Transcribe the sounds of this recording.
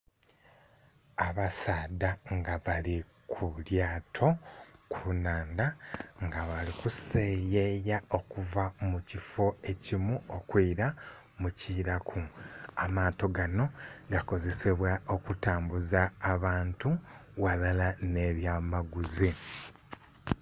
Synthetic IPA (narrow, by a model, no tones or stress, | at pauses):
aβasaːdaŋɡaβali | kʰuljaːtʰo̞kʰunaːndaŋɡaβalikusejejao̞kuvamucifo̞e̞cimuokwiːɾa | muciɾakʰuamaːto̞ɡano̞ɡako̞ze̞seβwaokutaːmbuzaːβaːntuwalalane̞βjaːmaɡuzi